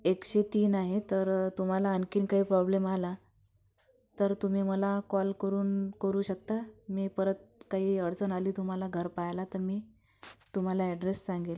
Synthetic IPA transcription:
ekɕet̪iːnaɦet̪əɾt̪um̤alaənkiːnkaɦiːpɾɔblemala | t̪əɾt̪um̤iːməlakɔlkəɾuːnkəɾuːɕək̚t̪amiːpəɾət̪̚kaɦiːəɽt͡sənaliːt̪um̤alaɡʱəɾpajlat̪əɾmiː | t̪um̤alaɛɖɾesːãŋɡel

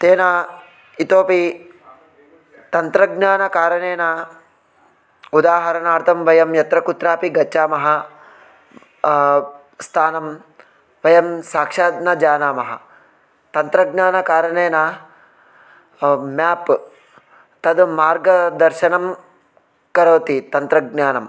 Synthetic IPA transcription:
t̪eːna | it̪oːpi | t̪ɐnt̪ɾɐɡnaːnɐkaːɾɐneːna | ud̪aːɦɐɾɐnaːɾt̪ʰɐmʋɐjɐmjɐt̪ɾɐkut̪ɾaːpiɡɐt͡ʃːt͡ʃːaːmɐɦɐ | st̪ʰaːnɐm | ʋɐjɐmsaːkʂaːd̪nɐd͡ʒaːnaːmɐɦɐ̰ | t̪ɐnt̪ɾɐɡnaːnɐkaːɾɐneːna | maːp | t̪ɐd̪maːɾɡɐd̪ɐɾʃɐnɐm | kɐɾɐːt̪it̪ɐnt̪ɾɐɡnaːnɐm

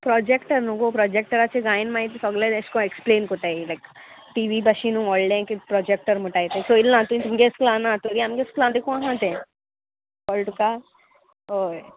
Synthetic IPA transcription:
pɾɔd͡ʑekʈəɾnuɡopɾɔd͡ʑek̚ʈəɾat͡ɕeɡajĩnmaɦit̪isɔɡlẽeɕkɔ̃ekspleːnkoʈailajk | ʈiʋibaɕinũɔlɖẽkipɾɔd͡ʑek̚ʈəɾm̤əʈajt̪ẽsoilnãt̪unit̪umɡesklãnãt̪uɾiamɡesklãt̪ekũãɦãt̪ẽ | kɔlʈuka | ɦoj

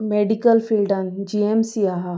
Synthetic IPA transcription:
meːɖikəlfilɖɐnd͡ʒiemsiaɦa

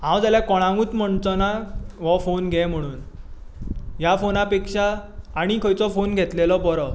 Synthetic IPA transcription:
ɦãwd͡zalɛkɔɽ̃ãŋɡuːt͡s̪m̤əɳt͡sɔnaʋɔfonɡʱɛ̃m̤əɽ̃uːn | jafonapekʂaːɽ̃ikʰəjt͡sɔfonɡʱet̪lelɔbɔɾɔ

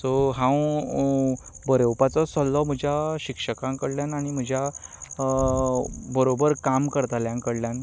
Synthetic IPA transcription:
sɔɦãw | bəɾəwpat͡sɔsəlːɔm̤əd͡ʑʱjaɕikʂəkãŋkəɽljanaɽ̃im̤əd͡ʑʱja | bəɾobəɾkamkəɾt̪aljãŋkəɽljan

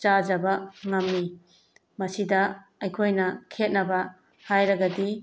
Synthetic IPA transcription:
t͡ʃad͡ʒɐbaŋɐmːi | mɐsidɐ | ɐjkʰojnɐkʰet̚nɐbɐ | hajɾɐɡɐdi

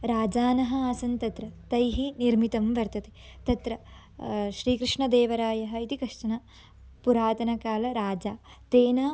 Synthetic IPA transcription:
ɾaːd͡ʒaːnɐɦɐaːsɐnt̪ɐt̪ɾɐt̪ɐjɦiniɾmit̪ɐmʋɐɾt̪ɐt̪e̥t̪ɐt̪ɾɐ | ʃɾiːkɾɪʂɳɐd̪eːʋɐɾaːjɐɦɐit̪ikɐʂʈɐnɐ | puɾaːt̪ɐnɐkaːlɐɾaːd͡ʒaː | t̪eːnaː

